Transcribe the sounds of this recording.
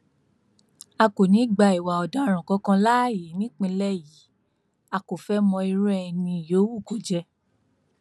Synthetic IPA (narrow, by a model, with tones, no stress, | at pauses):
a˧ko˨nĩ˨˦ɡ͡ba˧i˨wa˨ɔ˨da˨˧ɾ̃ɔ̃˨kɔ˨˦kã˧la˦˨je˨˦nĩ˦k͡pĩ˧lɛ˦ji˨˦ | a˧ko˨fɛ˦mɔ̃˧i˧ɾɛ˦˧nĩ˧˨jo˨˦wu˦˨ko˨d͡ʒɛ˧